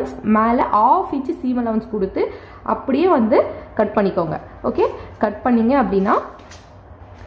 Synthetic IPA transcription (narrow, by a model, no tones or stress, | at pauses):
nsmeːlɐ̰ʔaːfiːt͡ʃːɯsiːmɐlɐʊnskʊɽɯt̪ːɯ | ʔɐ̰pːɐɽɪjeːʋɐnd̪ɯkɐʈ̚pɐɳːɪkːoːŋɡɐ̰ | o̰ːkeːkɐʈpɐɳːiŋɡɐːpːɐɽɪnːaː